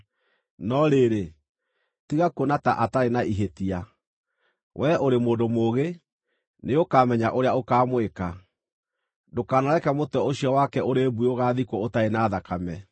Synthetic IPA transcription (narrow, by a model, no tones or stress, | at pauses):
nɔɾeɾe | tiɣakonata̰ʔataɾenaʔiɦetia | wʔɛʔoɾemoːdomoɣe | neokaːmɛɲaʔoɾeaokaːmweka | dokaːnaɾɛkɛmotɔoɕiɔwakɛʔoɾebuoɣaːðikootaenaːðakamɛ